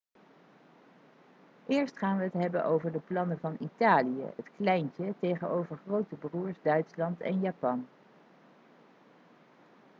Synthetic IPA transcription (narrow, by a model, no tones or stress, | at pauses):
ʔɪːɹstχaːnʋəɦətɦɛbənʔowvəɹdəplɑnəvɑnitaːlijə̰ɦətklɛjncətejχənowvəɹχrowtəbruːɹzdœɥtslɑntɛ̰njaːpɑn